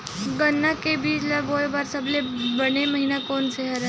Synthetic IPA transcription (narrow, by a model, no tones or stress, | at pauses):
ɡənːakebiːlaboːbaːɾsəblebəneməɦiːnakɔːnseɦɛɾɛ